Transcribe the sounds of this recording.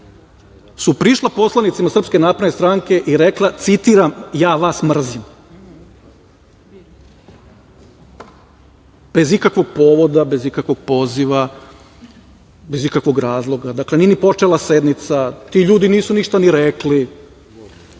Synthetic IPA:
supɾiʃlˠapo̞slˠanit̪simasr̩pske̞naːpɾd̪nest̪ɾaŋke̞ʔiɾeklˠat̪sit̪iːɾamjaːʋasmr̩zim | b̥e̞zikakʋo̞ɡ̚poːʋo̞d̪abe̞zikakʋo̞ɡ̥̚po̞ziʋa | be̞zikakʋo̞ɡɾaːzlˠo̞ɡad̪akle̞ninipo̞t͡ʂelˠased̪nit̪sat̪iʎuːd̪iniːsuniʃt̪aniɾekli

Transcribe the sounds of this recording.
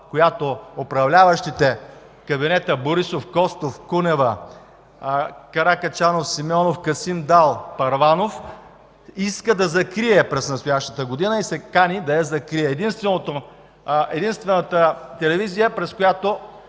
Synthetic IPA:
kojat̪oopɾɐvlʲavəʃt̪it̪ɛ | kɐbinɛt̪əboɾisofkɔst̪ofkunɛvɐ | kɐɾakɐt͡ʃanofsimɔnofkɐsimd̪alˠpɐɾvanof | iskəd̪ɐzɐkɾiɛpɾɛsnɐst̪ojaʃt̪ət̪əɡod̪inəisɛkanid̪ɐɛzɐkɾiɛːd̪inst̪vɛnot̪o | ɛd̪inst̪vɛnət̪ət̪ɛlɛvizijəpɾɛskojat̪o

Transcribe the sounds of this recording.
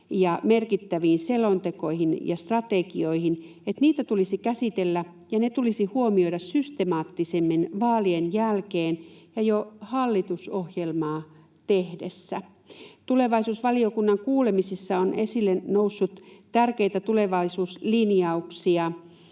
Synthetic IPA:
jɑmerkit̪ːæʋiːnselont̪eko̞ihinjɑst̪rɑt̪ekioihin | et̪niːt̪æt̪ulisikæsit̪elːæ | jɑnet̪ulisihuomioiɾɑssyst̪emɑːt̪ːisemːinʋɑːlienjælkeːnjɑjohɑlːit̪usohjelmɑː | t̪ehdesːæ | t̪ule̞ʋɑisuːsʋɑliokunːɑŋkuːlemisisːɑonesilːenousːut̪t̪ærkeit̪æt̪uleʋɑisuːslinjɑuksiɑ

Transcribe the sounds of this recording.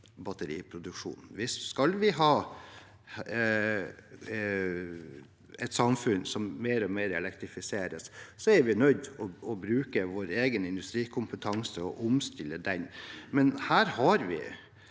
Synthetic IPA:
bɑt̪əɾḭːpʰɾʊd̪ʉkʂṵːnn̩ʋɪsskɑlʋɪɦɑː | ɛt̪sɑmfʉnsɔmmeːɾɔmeːɾɛlɛkt̪ɾɪfɪseːɾəssɔɛɾʋɪnœʏd̪ɔɔbɾʉːkəʋoːɾeːɡənɪnd̪ʉst̪ɾiːkʰʊmpət̪ʰɑŋsəɔʔʊmst̪ɪlːəd̪ɛnmɛnhæːɾhɑɾʋɪ̰

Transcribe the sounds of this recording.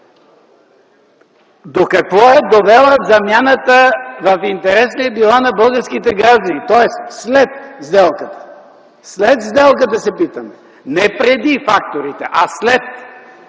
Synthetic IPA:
d̪okɐkvɔɛd̪ovɛlˠəzɐmjanət̪əvɐfint̪ɛɾɛslɛbilˠanɐbɤlˠɡəɾskit̪ɛɡɾaʒd̪ɐnit̪ɔɛst̪slɛt̪̚zd̪ɛlˠkət̪ə̥ | slɛt̪zd̪ɛlˠkət̪ɐsɛpit̪əm | nɛpɾɛd̪ifak̚t̪oɾit̪ɛʔaslɛt̪̚

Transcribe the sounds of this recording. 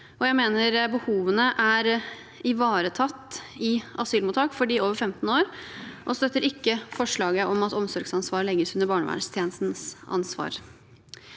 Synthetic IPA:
ʔɔjæɪmeːnəɾbəhuːʋənəʔæɾ | ɪʋɑːɾət̪ʰɑt̪ːɪʔɑsyːlmuːt̪ʰɑːkfɔɖiːoːʋəɾfɛmt̪n̩oːɾʔɔst̪œt̪ːəɾɪkːəfɔʂɭɑːɡəʔɔmɑt̪ɔmsɔɾɡsɑnsʋɑːɾlɛɡːəsʉnəɾbɑːɳəʋæ̰ːɖəst̪ʰjeːnəst̪n̩sɑ̰nsʋɑ̰ːɾ

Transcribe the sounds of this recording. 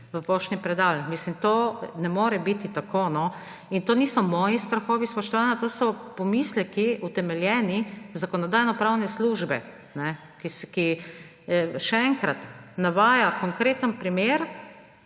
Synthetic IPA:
ʋəpoːʃnipɾɛd̪almislimt̪oːnɛmoːɾɛbit̪it̪akoːnɔ | int̪oːnisɔmɔːjist̪ɾaxɔːʋispɔʃt̪ɔʋaːnat̪oːsɔpɔmislɛkiut̪ɛmɛljɛːnizakɔnɔd̪aːjnɔpɾawnɛsluʒbɛ̰ | nɛ | kiski | ʃɛɛŋkɾat̪naʋaːjakɔŋkɾeːt̪ənpɾimeɾ

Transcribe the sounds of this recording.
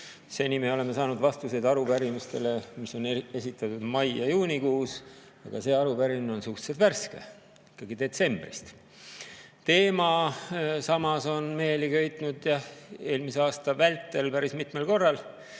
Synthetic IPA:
se̞nimeo̞le̞me̞sɑːnud̪vɑst̪use̞d̪ɑɾupæɾimust̪e̞le̞miso̞ne̞sit̪ːˑɑt̪ːud̪̥mɑjjɑjuːnʲikuːs | ɑ̰ɡ̥ɑ̰se̞ːɑɾupæɾimineo̞nsuht̪set̪værske | ikːɑɡid̪e̞t̪se̞mb̥rist̪ | t̪e̞ːmɑ | sɑmɑso̞nme̞ːlikø̞jt̪ˑnud̪̥jɑhe̞ːlmiseɑːst̪ɑvælt̪ːˑe̞lpæɾismit̪me̞lko̞rːɑl

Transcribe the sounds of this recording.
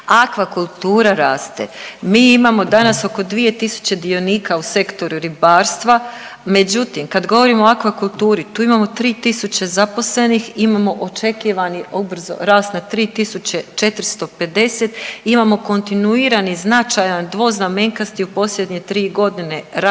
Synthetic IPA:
akʋakulˠt̪uːɾaɾaːst̪ḛmiːimamo̞d̪anaso̞ko̞d̪ʋije̞t̪isu̥t͡ɕe̞d̪io̞niːkause̞kt̪o̞ɾuɾibaːɾst̪ʋa | me̞d͡ʑut̪imkad̪ɡo̞ʋo̞ɾiːmooakʋakulˠt̪uːɾit̪uːimaːmo̞t̪ɾiːt̪isut͡ɕe̞zapo̞sle̞niximaːmo̞ʔot͡ʃe̞kiʋaniobɾ̩zo̰ɾaːst̪nat̪ɾiːt̪isut͡ɕe̞t͡ʃe̞t̪ɾst̪o̞pe̞d̪e̞se̞t̪imamo̞ko̞nt̪inuiːɾaniznat͡ʃajand̪ʋo̞ːznameŋkast̪iupo̞slʎʲe̞d̪ɲe̞t̪ɾiːɡo̞d̪ine̞ɾa

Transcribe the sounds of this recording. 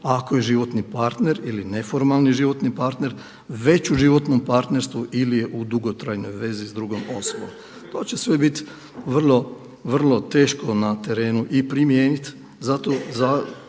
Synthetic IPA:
akoje̞ʒiʋo̞t̪nipaɾt̪ne̞ɾiline̞fo̞ɾmalˠniʒiʋo̞t̪nipaɾt̪ne̞ɾ | ʋe̞t͡ɕuʒiʋo̞t̪nompaɾt̪ne̞ɾst̪ʋuʔilijeʔud̪uɡo̞t̪ɾajno̞jʋe̞zizd̪ɾuɡomo̞sobo̰m | t̪o̞ːt͡ɕe̞sʋe̞bit̪ | ʋr̩lˠo̞ | ʋr̩lˠo̞t̪e̞ːʃko̞nat̪e̞ɾe̞ːnuʔipɾimjeːnit̪ | zat̪o̞za

